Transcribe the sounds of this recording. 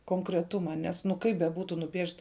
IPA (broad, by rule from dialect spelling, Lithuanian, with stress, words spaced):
koːŋkrʲɛˈtʊmɐ ˈnʲɛs nʊ ˈkɐɪp bʲɛˈbuːtʊ nʊˈpʲiɛʃt